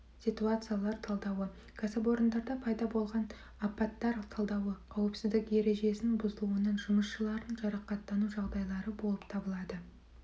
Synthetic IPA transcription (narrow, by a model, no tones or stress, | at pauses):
sit̪uat̪sɨjalˠɑɾt̪ʰɑlˠd̪ɑwə | kʰasɪp̬o̞ɾənd̪ɑɾd̪ɑpʰɑjd̪ɑbo̞lˠʁɑn | ɑpɑt̪ːɑɾt̪ʰɑlˠd̪ɑwəqʰɑwəpsɪzd̪ɪkje̞ɾe̞ʒe̞sɪnbʊzəlˠuənəɴʒʊməsʃəlˠɑɾənʒɑɾɑqɑt̪ːɑnuʒɑʁd̪ɑjlˠɑɾəbolˠəpt̪ʰɑbəlˠɑd̪ə